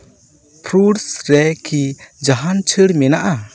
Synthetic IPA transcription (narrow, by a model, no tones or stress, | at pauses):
pʰɾuɽsɾɛkid͡ʒaɦant͡ʃʰəɽmɛnaʔa